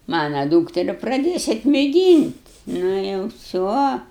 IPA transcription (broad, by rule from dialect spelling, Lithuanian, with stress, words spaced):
ˈmɑːnɐ ˈduːktʲɛrʲɪ prɐˈdʲeːsʲɛt mʲeːˈɡʲiːnʲtʲ ˈnʊ jɛʊ ˈʋʲsʲoː